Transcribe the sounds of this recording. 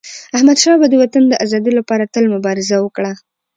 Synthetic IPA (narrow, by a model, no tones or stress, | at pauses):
ahmad̪ʃɑbad̪əwat̪and̪əʔazɑd̪ilapɑɾat̪əlmʊbɑɾɪzawəkɽa